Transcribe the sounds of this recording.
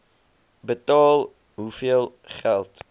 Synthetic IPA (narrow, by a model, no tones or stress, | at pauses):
bətɑːlˠ | ɦufiəlˠχælˠt